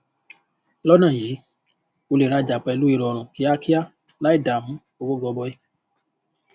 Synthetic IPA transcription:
lɔ˦nã˦˨ji˨˦ | o˧le˨ɾa˧d͡ʒa˨k͡pɛ˧lu˦i˦˧˨ɾɔ˨ɾ̃ɔ̃˨ki˨˦a˦ki˦a˦ | la˦i˦˨da˨mũ˨˦ | o˧ɡo˦ɡɔ˨˧bɔ˧i˦

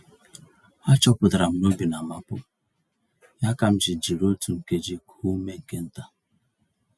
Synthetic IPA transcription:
a˦t͡ʃɔ˦pʊ˨da˨ɾa˨m̩˦no˦bi˨na˨ma˦pʊ̰˦ | ja˦ka˨m̩˦d͡ʒi˨d͡ʒi˨ɾo˦tu˨ŋ̩˨ke˦d͡ʒi˦kʰu˦me˦ŋ̩˨ke˦n̩˦ta˨

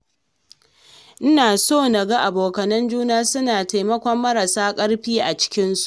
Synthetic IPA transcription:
ʔɪ˦naː˨soː˦˨nɐ˨ɡa˦ʔa˨boː˨kɐ˨nɐ˦nd͡ʒuː˦naː˦sʊ˦naː˨ta˨jmɐ˦kʷɔ˦mːɐ˦ɾa˨saː˦kʼɐ˦ɽɸiː˦ʔa˨t͡ʃɪ̥˦kʲɪ˦nsu̥˦ʔ

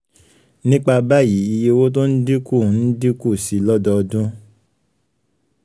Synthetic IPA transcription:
nĩ˦k͡pa˧ba˦˨ji˨˦i˧je˦wo˦t̬o˦n̩˦di˦ku˦˨˦n̩˦di˦ku˦˨si˨˦lɔ˦dɔ˧ɔ˧dũ˦

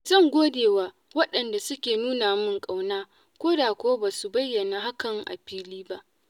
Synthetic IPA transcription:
zɐ˦˨ŋɡʷoː˦deː˨waː˦ | wɐ˦ɗɐ˨nda˨sʊ˦kʲeː˨nuː˦naː˨mɪ˦˨ŋkʼa˨wnaː˦ | kʷoː˦daː˨kʷoː˦baː˨su˨bɐ˦jːɐ˨naː˨ɦa˦kɐ˨ŋʔa̰˨ɸiː˦liː˦ba˦ʔ

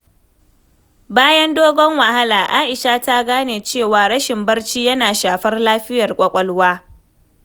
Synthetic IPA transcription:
baː˦jɐ˦ndoː˦ɡɔ˦ŋwa˨ha˦laː˨ʔaː˦ʔɪ˨ʃa˦ta˦ɡaː˦neː˨t͡ʃeː˦˨waː˨ɾɐ˦ʃɪ˨mbɐ˦rt͡ʃiː˦jɐ˦naː˨ʃaː˨ɸɐ˦rlaː˦ɸɪ˦jɐ˨rkʷʼɐ˦kʷʼɐ˦lwaː˦

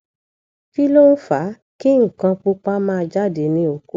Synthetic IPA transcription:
fi˦lo˦u˦fa˨˦ | ki˦ŋ̩˨kã˧k͡pu˧k͡pa˦mãː˦˧d͡ʒa˦˨de˨˦nĩ˧o˨ku˦

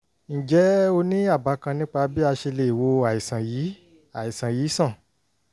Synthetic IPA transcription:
n̩˨d͡ʒɛ˨˦o˧nĩ˦a˦˨ba˨˦kã˧nĩ˦k͡pa˧bi˦a˧ʃe˧le˧˨i˨wo˧a˨i˨sã˨ji˨˦ | a˨i˨sã˨jiː˨˦sã˦˨

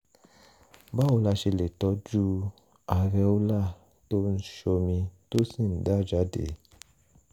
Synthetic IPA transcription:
ba˦o˧˦la˧ʃe˧le˨tɔ˨˦d͡ʒu˦ | a˨ɾɛ˧˦o˦la˦˨ | to˦n̩˦ʃo˧mĩ˧to˦sĩ˦˨n̩˨˦da˦˨d͡ʒa˨˦dḛ˨˦

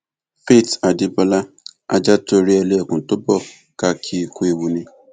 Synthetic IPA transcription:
fe˦˨ta˨dɪ˦bɔ˧la˦ | a̰˦d͡ʒa˦to˧ɾi˦ɛ˧le˦˨kʊ̃˨n̩˨to˦bɔ˦˨ | ka˨˧kʰi˦˧ku˦e˧wu˧nĩ˧

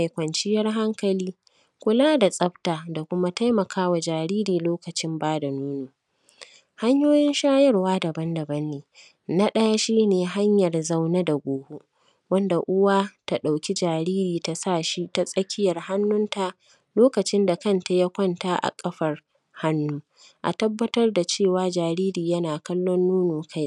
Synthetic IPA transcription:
a˨jkʷɐ˨nt͡ʃɪ˦jɐ˦rɦa˦ŋkɐ˨liː˦ | kʷʊ˦laː˦da˨sʼɐ˦btaː˨da˨kʷʊ˦ma˦ta˦jmɐ˨kʰaː˦wa˨d͡ʒaː˨ɾiː˦ɾiː˨loː˦kɐ˨t͡ʃɪ˦mbaː˦da˨nuː˦nuː˨ | ha˦ɲjoː˦jɪ˦nʃaː˦jɐ˦rwaː˦dɐ˨bɐ˦ndɐ˨bɐ˦nːeː˨ | na˦ɗɐ˦ja˦ʃiː˦neː˨ɦa˦ɲjɐ˨rza˦wna˦da˨ɡʷoː˨hu˦ | wɐ˦nda˨ʔʊ˦waː˦ta˨ɗa˨wkʲi˦d͡ʒaː˨ɾiː˦ɾiː˨ta˨saː˦˨ʃi˦ta˦sʼɐ˦kʲʰɪ˦jɐ˨rha˦nːʊ˦nta˨ | loː˦kɐ˨t͡ʃɪ˦nda˨kɐ˦nta˨ja˦kʷɔ˦nta˦ʔa̰˨kʼɐ˦ɸɐ˨r | ha˦nːuː˦ | ʔa̰˨tɐ˦bːɐ˦tɐ˦rda˨t͡ʃeː˦˨waː˦d͡ʒaː˨ɾiː˦ɾiː˨jɐ˦naː˨kɐ˦lːɔ˦nːuː˦nuː˨kʰa˦j

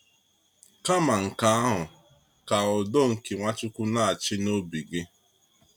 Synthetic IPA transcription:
ka˦ma˨ŋ̩˨ka˨a˦ɦʊ˨ | ka˨ɔ˨dɔ˦ŋ̩˨ki˨ŋʷa˦t͡ʃʊ˦kʷʊ˦na˦a˨t͡ʃɪ˦no˦bi˨ɡɪ˦

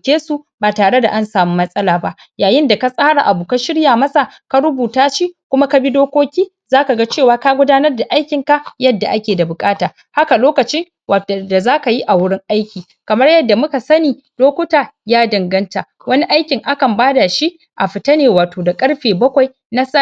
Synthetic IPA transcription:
kʲeː˦su˨baː˨taː˨ɽe˦da̰˨ʔa˦nsaː˨mu˦mɐ˦sʼɐ˦laː˨ba˦ʔ | jaː˨jɪ˦nda˨ka˦sʼaː˦ɽa˨ʔa˨buː˨ka˦ʃɪ˦ɽjaː˨mɐ˦sa˨ka˦ɽʊ˦buː˨taː˦ʃi˦kʷʊ˦ma˦ka˦bi˦doː˦kʷoː˦kʲiː˦ | zaː˦ka˨ɡa˦t͡ʃeː˦˨waː˦ka˦ɡʷʊ˦daː˦nɐ˦rda˨ʔa˦jkʲɪ˨ŋka˦jɐ˦dːa̰˨ʔa˦kʲeː˨da˨bʊ˨kʼaː˦taː˨ | ha˦ka˨loː˦kɐ˨t͡ʃɪ˦ŋ | wa˨da˨zaː˦ka˨ji˦ʔa˨wʊ˦ɽɪ˦ŋʔa˦jkʲiː˨ | kɐ˨mɐ˦rjɐ˦dːa˨mʊ˦ka˨sɐ˦niː˨ | doː˦kʷʊ˦taː˨jaː˦dɐ˨ŋɡɐ˦nta˨ | wɐ˦ni˦ʔa˦jkʲɪ˨ŋʔa˦kɐ˨mbaː˦da˨ʃi˦ʔ | ʔa˨ɸɪ˨tɐ˦neː˨waː˨toː˨da˨kʼɐ˦ɽɸeː˨bɐ˦kʷa˨j | na˦sa˦

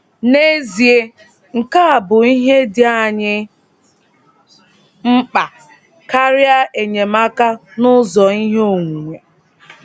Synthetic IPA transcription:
ne˦zi˨e˦ | ŋ̩˨ka˦a˨bʊ˨i˦ɦe˦dɪ˨a˦˨ɲɪ˦ | m̩˦k͡pa˨ | ka˦ɾja˦ʔe˨ɲe˨ma˦ka˦nʊ˦zɔ˨i˦ɦe˦o˨ŋʷu˨ŋʷe˨

